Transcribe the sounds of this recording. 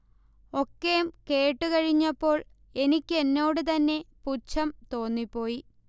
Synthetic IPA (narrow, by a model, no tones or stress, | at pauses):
o̞kːejumke̞ːʈːɨkɐɻiɲːɐpːo̞ːɭ | e̞nikʲːe̞nːo̞ːɽɨt̪̬ɐnːe̞put͡ɕːɐmt̪o̞ːnːipːo̞ːji